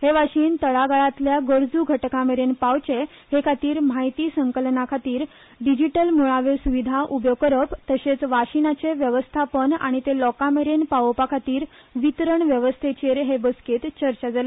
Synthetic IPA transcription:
heʋaɕiːnt̪əɭaɡaɭat̪ljaɡəɾd͡zuɡʱəʈkameɾenpawt͡ɕe | hekʰat̪iːɾmaɦjt̪iːsəŋkəlnakʰat̪iːɾ | ɖid͡ʑiʈəlmuɭaʋesuʋid̪ʱaʔubjokəɾəpt̪əɕet͡sʋaɕinat͡seʋjəʋəst̪ʰapəna̰ɽ̃it̪elɔkameɾenpapakʰat̪iːɾʋit̪ɾəɳʋjəʋəst̪ʰet͡ɕeɾɦebəsket̪t͡ɕəɾt͡ɕad͡zala

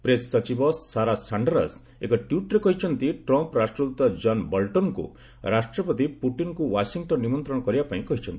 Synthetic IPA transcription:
pɾesːɔt͡ʃibɔːaɾasaɳɖɔɾa̰s | ekɔʈjuʈɾekɔɦit͡ʃʰɔnt̪iʈɾɔmpɔɾasʈɾɔd̪ut̪ɔd͡ʒɔnbɔlʈɔnkṵ | ɾasʈɾɔpɔt̪ipuʈinkuwasiŋʈɔnːimɔnt̪ɾɔ̃ɔkɔɾibapaĩkɔɦit͡ʃʰɔnt̪i

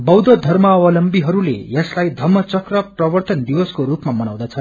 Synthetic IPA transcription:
bʌwd̪ʌd̪ʱʌrmʌʌwʌlʌmbiɦʌɾulḛjʌslajd̪ʱʌmʌt͡sʌkrʌprʌbʌrt̪ʌnd̪iwʌskoɾupmamʌnaw̃d̪ʌt͡sʰʌ

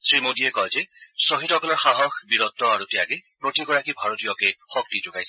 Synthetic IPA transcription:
sɹimodiɛkɔlzɛsoɦitɔkɔlɔɹxaɦɔxbiɹɔtːɔaɹutɛjakɛpɹotiɡɔɹakibʱaɹotijɔkɛxɔk̚tid͡ʒukajsɛ

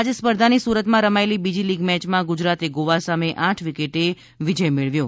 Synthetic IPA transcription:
ad͡ʒespəɾd̪ʱanisuɾət̪mãɾəmaelibid͡ʒiliɡmɛt͡ʃmãɡud͡ʒɾat̪eɡoʋasameʔãʈʰʋikeʈe | ʋid͡ʒəjmeɭʋjo

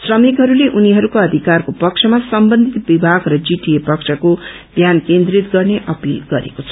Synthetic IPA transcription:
srʌmikɦʌɾuleʔuniɦʌɾukoʌd̪ʱikarkopʌk̚t͡sʰʌmasʌmbʌnd̪ʱit̪bibʱaɡrʌd͡ziʈijepʌkt͡ʃʰʌko | bʱjankend̪rit̪ɡʌrneʔʌpilɡʌɾḛkot͡sʰʌ̥

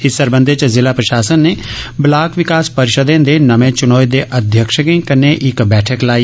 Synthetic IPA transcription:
ɪsəɾbə̃nd̪ʱet͡ʃzɪlapɾɐʃaːsənːeblaːkʋɪkaːspəɾɪʃəd̪ẽd̪enɐʋẽt͡ʃʊnoːjd̪eʔɐd̪ʱjəkʃəkẽkɐɾneʔɪkbɛːʈʰəklaːi

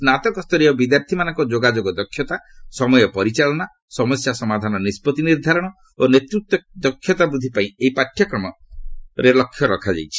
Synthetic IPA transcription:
snat̪ɔkɔst̪ʰɔɾiɔbid̪jaɾt̪ʰimanɔ̃ŋkɔd͡ʒoɡad͡ʒoɡɔd̪ɔkʰjɔt̪asɔmɔjɔpɔɾit͡ʃaɭɔna | sɔmɔsjasɔmad̪ʱanɔnispɔt̪iniɾd̪ʱaɾɔɽ̃ɔ | onet̪ɾuk̚t̪ɔd̪ɔkʰjɔt̪abɾud̪ʱːipaĩeipaʈʰjɔkɾɔmɔɾelɔkʰːjɔɾɔkʰad͡ʒa̰jt͡ʃʰi̥

